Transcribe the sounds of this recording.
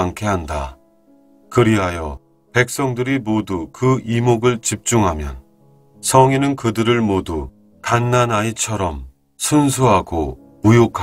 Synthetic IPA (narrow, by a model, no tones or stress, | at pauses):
aŋkʰe̞ɦanda̰ | kɯɾiɦajʌ̰ | pe̞k̚s͈ʌŋdɯɾimodukɯimoɡɯɭt͡ɕip̚t͡ɕ͈uŋɦamjʌ̰n | sʰʌŋinɯnkɯdɯɾɯɭmodu | kanːanait͡ɕʰʌɾʌm | sʰunsʰuɦaɡo | mujokʰ